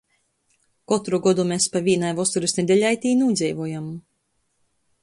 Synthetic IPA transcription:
kɔt̪ɾuɡɔd̪umespavʲiɛnajvɔst̪uɾusned̪ɛlʲajt̪iːnuːd̪zʲɛjvuɔjam

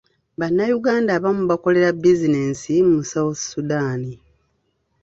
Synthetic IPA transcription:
banːajuɡaːndaːβamuβako̞le̞ɾabizine̞ːnsimumusawasudaːni

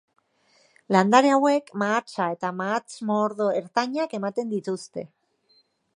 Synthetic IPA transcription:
land̪aɾeawe̞kmaːt͡sae̞t̪amaːt͡smoɾðo̞e̞ɾt̪aɲake̞mat̪e̞nd̪it̪ust̪e̞

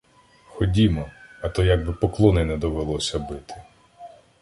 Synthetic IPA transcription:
xɔdʲimɔɐt̪ɔjɐɡ̚bɪpɔklˠɔnɛnɛd̪ɔʋelˠɔsʲɐbɪt̪ɪ̥

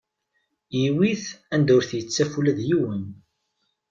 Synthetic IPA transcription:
jiwiθænd̪ʊɾθjət͡sːæfulæðjiwən

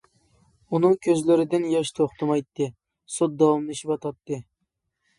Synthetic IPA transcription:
unɨŋkʲʰøzlɪɾɪd̪ɪnjɑʃt̪ʰoχt̪ʰɨmɑjt̪ːɨ | sot̪̚d̪ɑwɑmlˠɨʃipɑt̪ʰɑt̪ːɨ

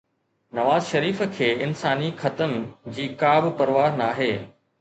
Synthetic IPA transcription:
nɐʋaːzʃɐɾiːfə̆kʰeːɪnsaːnixɐt̪ənd͡ʑiːkaːbpɐɾʋaːɾnaːɦeː

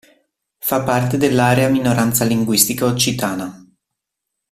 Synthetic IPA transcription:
fapːart̪ed̪elːaːɾeaminoɾant̪saliŋɡwist̪ikaot͡ʃːit̪aːna

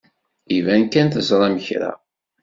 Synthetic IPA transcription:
ivænkænθəzˤɾˤæməçɾæ̰

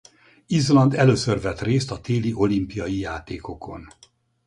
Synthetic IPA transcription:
izlɒnd̪ɛløːsørvɛt̪reːst̪ɒt̪eːliʔo̞limpijɒjijaːt̪eːkokʰo̞̰n

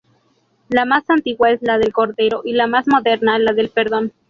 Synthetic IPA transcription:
lamasant̪iɣwae̞zlaðe̞lko̞ɾðe̞ɾo̞ʔilamazmo̞ðe̞ɾnaelaðe̞lpeɾðo̞n

